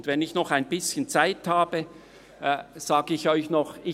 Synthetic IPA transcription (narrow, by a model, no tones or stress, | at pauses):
ndvɛnɪçnɔχaɪnbɪsçənt͡saɪthaːbə | z̥aːɡəɪçɔʏçnɔχɪ